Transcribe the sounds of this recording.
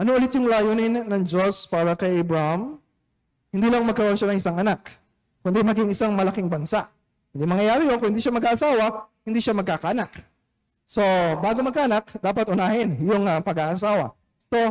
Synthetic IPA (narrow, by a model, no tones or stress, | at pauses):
ʔɐnoʔʊlɪt̪jʊŋlaːjonɪnːɐŋd͡ʒo̞spaːɾɐkɐjʔɐbɹaham | hɪnd̪iːlɐŋmɐɡ̚kɐwaʃanɐŋʔɪsaŋʔɐnak̚ː | ʊnd̪imɐɡiŋɪsaŋmɐlɐkɪŋbɐnsaʔ | hɪnd̪imɐŋjɐjaːɾɪjonkʊŋhɪnd̪iʃamɐɡaːʔɐsaːwɐhɪnd̪iːʃamɐɡ̚kaːkɐʔɐnak | so̞baːɡomɐɡkaʔɐnakd̪aːpɐt̪ʔʊnaːhɪnjʊŋɐpɐɡaʔɐsaːwɐ̰ | so̞